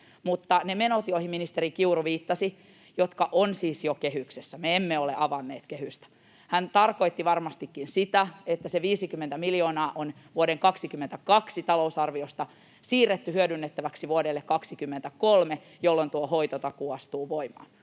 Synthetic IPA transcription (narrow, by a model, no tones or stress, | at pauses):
mut̪ːɑnemenot̪iohimminist̪eɾrikiuruʋiːt̪ːɑsi | jot̪kɑʔonsiːsjokeɦyksesːæmeemːeoleʔɑʋɑnːeːt̪kehyst̪æ̥ | hænt̪ɑrkoit̪ːiʋɑrmɑst̪ikːinsit̪æet̪ːæseʋiːsikymːent̪æmiljoːnɑːʔonʋuoɾeŋkɑksikymːent̪ækɑksit̪ɑlousɑrʋiost̪ɑ | siːrːet̪ːyhyødynːet̪ːæʋæksiʋuodelːekːɑksikymːent̪ækolme | jolːont̪uohoit̪ot̪ɑkuɑst̪uːʋoimɑ̰ːn